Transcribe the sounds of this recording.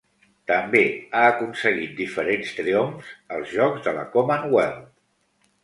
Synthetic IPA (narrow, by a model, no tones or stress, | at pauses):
t̪əmbeaəkunsəɣ̞it̪̚d̪ifəɾenst̪ɾiomzəlˠzʒɔkzðələ̰komənwɛlˠt̪